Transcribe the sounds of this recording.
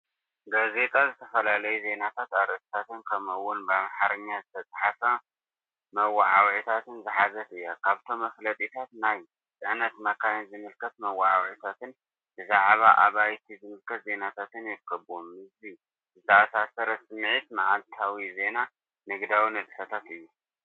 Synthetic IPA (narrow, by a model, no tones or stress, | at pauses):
ɡaze̞t̪ʼazɨt̪ʰɐfɐlalɐjuze̞nat̪ʰat̪aɾɐsi̥t̪ʰat̪ɨnkʰɐmɐwːʊnbamħaɾɨɲːazɨt̪ʰɐt͡sʼaħafa | mɐwaʕa̰wʕit̪ʰat̪ʰɨnzɨħazɐt̪ɨjːakʰaβt̪ʰo̞mːɐflɐt̪ʼit̪ʰat̪naj | sʼɨʕnɐt̪mɐkʰajnzɨmɨlkʰɐt̪mɐwaʕa̰wʕit̪ʰat̪ɨn | bɨzaʕβaʔaβajt̪ʰizɨmɨlkʰɐt̪ze̞nat̪ʰat̪ʰɨnjɪɾkʰɐβomːɨzbi | zɨt̪ʰɐʔasasɐɾɐsɨmʕit̪maʕalt̪ʰawize̞na | nɨɡd̪awinɨd̪fɐt̪ʰat̪ɨjːu